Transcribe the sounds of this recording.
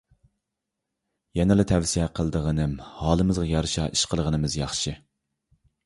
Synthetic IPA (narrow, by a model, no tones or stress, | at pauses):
jɛnɨlˠɨt̪ʰɛwsiɛqʰəlˠd̪əʁənɨmhɑːlˠɨmɨzʁɑjɑɾʃɑ̰ʔiʃqʰəlˠəʁənɨmɨzjɑχʃɪ